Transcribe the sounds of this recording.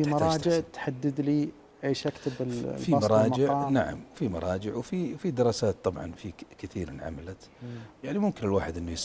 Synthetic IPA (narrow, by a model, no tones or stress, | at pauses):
fimɑɾˤɑːd͡ʒɪʕt̪ħad̪ːɪd̪li | ʔeːʃʔakt̪ɪbɪllfiɑmɑɾˤɑːmd͡ʒɪʕɑːnaʕa̰mwfimɑ̰ɾˤɑːd͡ʒɪʕwfifid̪ɪɾˤɑːsaːt̪̚ːˤɑbʕɑ̰nfikɪθiːɾnʕa̰malat̪jaʕnimʊmkɪnɪlwaːħɪd̪ʔɪnːujsˤ